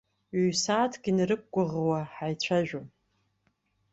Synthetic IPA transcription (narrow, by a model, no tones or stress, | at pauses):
ɥiɥsaːtʰɡ̥ʲinrɨk̚ʷɡʷʊʁwaħajt͡ɕʷʰaʒᶣo